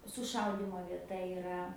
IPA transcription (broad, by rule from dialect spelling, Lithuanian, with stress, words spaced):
sʊˈʃɐʊdʲiːmoː ʋʲiɛˈtɐ ɪˈrɐ